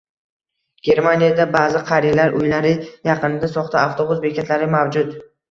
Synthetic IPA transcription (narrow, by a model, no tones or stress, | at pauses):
ɡ̥ʲe̞ɾmanijad̪abazɪqʰɑɾijlaɾʔʊjlaɾɪjɑqɨnɪd̪asɒχt̪ʰaaft̪ʰobʊzbekʲet̪laɾɪmawd͡ʒʊt̪